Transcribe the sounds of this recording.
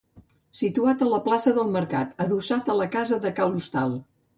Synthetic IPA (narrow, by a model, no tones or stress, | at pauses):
sit̪uat̪ələplasəðəlˠməɾkat̪əðusat̪ələkazəðəkawust̪alˠ